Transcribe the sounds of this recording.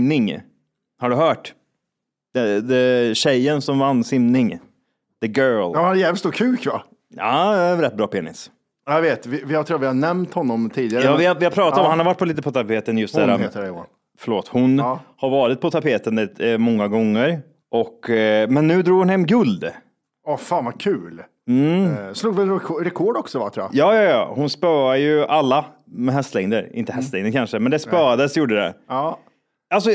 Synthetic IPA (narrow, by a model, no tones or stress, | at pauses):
nɪŋ | haɖɵɦœːʈ | d̪̥ɛd̪ɛɕɛjːənsɔmvanːsɪmnɪŋ | d̪əɡœːlhanjɛːvəlst̪uːkʰʉ̟ːkva̰ | a̰ɾɛt̪̚ːbɾɑːpʰeːnɪs | javeːt̪vɪvɪhaɾt̪ʰɾuːvɪhanɛmt̪hɔnːɔmt̪ʰiːd̪ɪɡaɾjɑːvɪhavɪhapʰɾɑːt̪aaɔmhanhaɾvaʈ̚ːpʰɔliːt̪əpʰɔt̪ʰapʰeːt̪ənjɵst̪ɛæːɾa | fœɭoːt̪hʊnhaɾvɑːɾɪt̪̚pʰɔt̪ʰapʰeːt̪ənd̪ɛt̪mɔŋːaɡɔŋːəɾ | ʔɔkːmɛnːʉ̟ːd̪ɾuːɡhʊnɦɛmːɡɵld̪ | ɔfaːnvakʰʉ̟ːl̩ | sluːɡvɪɛnɾɛkʰɔɖɔksɔvaʈ̪ʰɾuːa̰jɑːjɑːjɑ̰ːhʊnspœːajɵʔalːa | mɛɦɛst̪lɛŋd̪əɾɪ̰nt̪əhɛst̪lɛŋd̪əɾkʰanʂəmɛnd̪ɛspœːad̪əsjuːɖəd̪ɛ̰ | als̬ɔ